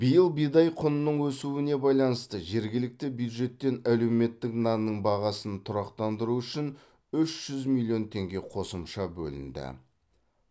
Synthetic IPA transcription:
b̥ijəlˠbijd̪ɑjqʰʊnənəɴwɵsuwɪne̞bɑjlˠɑnəst̪əʒe̞ɾɡʲɪlɪk̚t̪ɪbjud̪ʒe̞t̪ːe̞næle̞wme̞t̪ːɪknɑnnːəɴbɑʁɑsənt̪ʰʊɾɑqt̪ɑnd̪əɾuʏʃɪn | ʏʃʒ̥ʏzmilʲˠːio̞nt̪ʰe̞ŋɡʲe̞qʰo̞səmʃɑbɵ̰lɪ̰nd̪ɪ̰

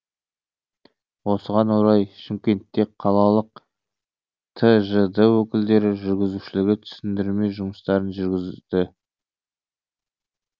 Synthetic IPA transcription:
wo̞səʁɑnwo̞ɾɑjʃɪmkʲe̞nt̪ːe̞kqʰɑlˠɑlˠəq̚ | t̪ʰəʒəd̪əwɵkʲɪld̪e̞ɾɪʒʏɾɡʲɪzuʃɪlɪɡʲɪt̪ʰʏ̥sɪnd̪ɪɾme̞jʒʊməst̪ɑɾənʒʏɾɡʲɪzɪd̪̥ɪ

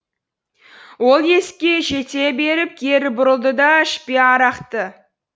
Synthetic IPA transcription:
wo̞lˠje̞skʲe̞ʒe̞t̪e̞be̞ɾɪp̚kʲʰe̞ɾɪbʊɾəlˠd̪əd̪ɑɪʃpeɑɾɑqt̪ə

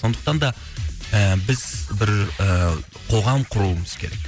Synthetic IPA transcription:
so̞nd̪ə̥q̚t̪ɑnd̪ɑ | əbɪz̥bɪɾə | qʰo̞ʁɑmqʰʊɾuəməz̥kʲʰe̞ɾe̞k

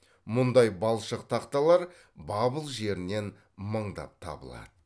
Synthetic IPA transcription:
mʊnd̪ɑjbɑlˠʃəq̚t̪ʰɑqt̪ɑlˠɑɾ | bɑbəlˠʒe̞ɾɪne̞n | məɴd̪ɑ̰p̚t̪ʰɑ̰bə̰lˠɑ̰d̪̥ə

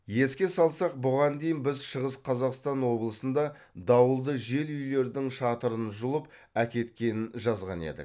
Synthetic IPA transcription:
je̞skʲe̞sɑlˠsɑq̚bʊʁɑnd̪e̞jɪnbɪzʃəʁəsqʰɑzɑqst̪ɑnwo̞blˠəsənd̪ɑ | d̪ɑwəlˠd̪əʒe̞lʏjle̞ɾd̪ɪŋʃɑt̪əɾənʒʊlˠəp | ækʲe̞t̪kʲe̞nɪnʒɑzʁɑ̰ne̞̰d̪ɪ̰k̚

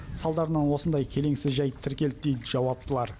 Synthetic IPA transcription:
sɑlˠd̪ɑɾənənwo̞sənd̪ɑjkʲʰe̞le̞ŋsɪzʒɑjt̪ʰɪɾkʲe̞lt̪̚d̪ejt̪əʒ̥ɑwɑp̚t̪ʰəlˠɑɾ

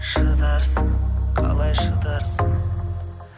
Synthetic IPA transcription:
ʃəd̪ɑɾsəŋqʰɑ̰lˠɑjʃəd̪ɑɾsəŋ

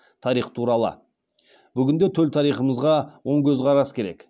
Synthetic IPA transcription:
t̪ʰɑɾijχt̪ʰuɾɑlˠə̰ | bʏɡʲɪnd̪e̞t̪ʰɵlt̪ʰɑɾijχəməzʁɑwo̞ɴkʲʰɵzʁɑɾɑsə̥kʲʰe̞ɾe̞̰k

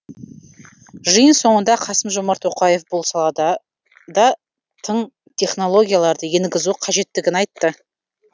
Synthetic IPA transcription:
ʒəjənso̞ɴənd̪ɑqʰɑsəmʒo̞mɑɾt̪wo̞qɑje̞fbo̞lˠsɑlˠɑd̪ | d̪ɑ | t̪ʰəɴ | t̪ʲʰe̞χno̞lˠo̞ɡʲijalˠɑɾd̪əje̞nɡʲɪzuqʰɑʒe̞t̪ːɪɡʲɪnɑjt̪ːə

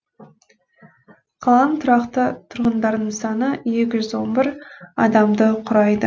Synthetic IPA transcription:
qʰɑlˠɑnt̪ʰʊɾɑqt̪ət̪ʰʊɾʁənd̪ɑɾd̪əɴsɑnəje̞kʲɪʒʏzwo̞nbɪɾɑ̰d̪ɑmd̪əqʰʊɾɑjd̪ə

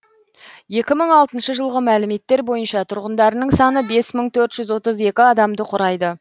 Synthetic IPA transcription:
je̞kʲɪməɴɑlˠt̪ənʃəʒəlˠʁəmælɪme̞t̪ːe̞ɾbo̞jənʃɑt̪ʰʊɾʁənd̪ɑɾənəɴsɑnəbe̞sməɴt̪ʰɵɾt̪ʒ̥ʏzwo̞t̪əze̞kʲɪɑd̪ɑmd̪əqʰʊɾɑjd̪ə

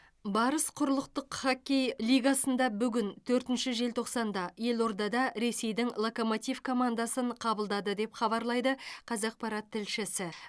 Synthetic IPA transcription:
bɑɾəsqʰʊɾəlˠəq̚t̪əqχɑkʲejlijɡasənd̪ɑbʏɡʲɪnt̪ʰɵɾt̪ɪnʃɪʒe̞lt̪ʰo̞qsɑnd̪ɑje̞lo̞ɾd̪ɑd̪ɑɾe̞se̞jd̪ɪŋlˠoko̞mot̪ijvkʰo̞mand̪ɑsəɴqʰɑbəlˠd̪ɑd̪əd̪e̞pχɑbɑɾlˠɑjd̪əqʰɑzɑq̚pɑɾɑt̪ʰːɪlʃɪsɪ

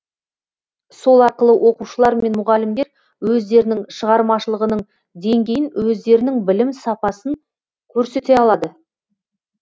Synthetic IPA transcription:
so̞lˠɑɾqəlˠəwʔo̞quʃəlˠɑɾme̞nmʊʁɑlɪmd̪eɾ | wɵzd̪e̞ɾɪnɪŋʃəʁɑɾmɑʃəlˠəʁənəɴ | d̪e̞ŋɡʲe̞jɪnwɵzd̪e̞ɾɪnɪŋbɪlɪmsɑpɑsəŋ | kʲʰɵɾse̞t̪e̞ɑlˠɑd̪ə

